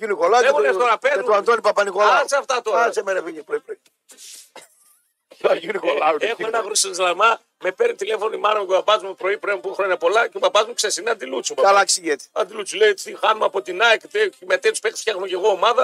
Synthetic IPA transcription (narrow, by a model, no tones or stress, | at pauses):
ɡilikolɐexunet̪oɾɐpezoant̪onipɐpɐnikolalɐkseɐft̪ɐt̪oɾɐɐsemenɐviɲipɾoipɾoi | ɐiɾikolɐexenɐɣɾusiizlɐmɐ | me̞peɾnt̪ile̞fo̞nimɐnɐmekoɐpɐzumepɾo̞ipɾempuxɾo̞ɲɐpo̞lɐcebɐpɐzmuksesinɐnd̪ilut͡sumeɐlɐksijet̪i̥ɐnd̪ilut͡suleit̪ixɐnumeɐpo̞t̪inɐicet̪emet̪et̪uspekt̪sfçɐxnumece̞ɣo̞ːmɐðɐ